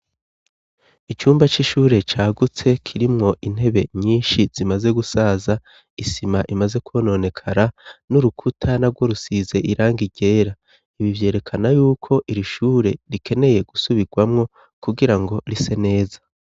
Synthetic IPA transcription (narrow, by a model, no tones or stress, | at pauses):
it͡ʃuːmbat͡ʃiʃuːɾe̞t͡ʃaːɡut͡se̞kʰiɾimŋo̞ʔin̥he̞βe̞ɲiːnʃiz̥imaze̞ɡusaza | isimaʔimaze̞kuono̞ne̞kʰaɾanuɾukʰutʰanaɾɡwoɾusize̞ʔiɾaːŋɡiɟe̞ːɾa | iβivje̞ːɾe̞kʰanajuːkʰo̞ʔiɾiʃuːɾe̞ɾikʰe̞ne̞je̞ɡ̥usuβiɡwamŋo̞ | kuɡiɾaŋɡo̞ɾise̞ne̞ːzḁ